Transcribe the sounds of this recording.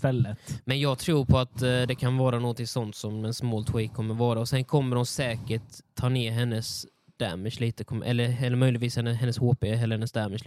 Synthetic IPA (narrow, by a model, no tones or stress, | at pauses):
ɛlːəmɛnjɑːɡ̚t̪ʰɾuːɾpʰɔat̪d̪ɛkʰanvɑːɾanuɡɔnt̪ʰɪŋsɔnt̪sɔmɛnsmoːlt̪ʰwiːkʰːɔmːəɾvɑːɾaɔsɛnkʰɔmːəɾʊnsɛːkəʈʰːɑːneːɾɦɛnːəs | d̪̥æ̰mɪʃliːt̪əkʰɔmʔɛ̰lːəɾɛlːəɾmœjlɪt̪viːshɛnːəɦɛnːəshoːpeɦɛləɾhɛnːəsd̪æmɪʃ